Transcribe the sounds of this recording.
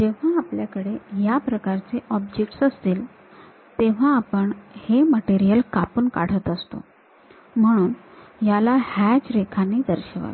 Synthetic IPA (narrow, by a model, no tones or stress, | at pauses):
d͡ʑeʋ̤aːpljakəɽejapɾəkaɾt͡seʔɔbd͡ʑek̚ʈsəst̪iːl | t̪eʋ̤ãːpəɳheməʈeɾijəlkapənka̰ɽ̤ət̪əst̪o̰ | m̤əɽ̃uːnjalahæd͡ʑɾekʰanːiːd̪əɾɕəʋa̰ʋ